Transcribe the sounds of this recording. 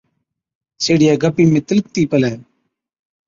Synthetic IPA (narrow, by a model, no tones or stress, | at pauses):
seːɽɪjaːɡəpiːmẽːt̪ɪlk̚t̪iːpəlɛː